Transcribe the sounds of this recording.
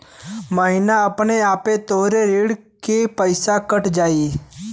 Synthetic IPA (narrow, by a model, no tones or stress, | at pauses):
məɦɪnaəpneaːpet̪oɦɾeɾiːɽ | kepəɪsakəʈd͡ʒaːi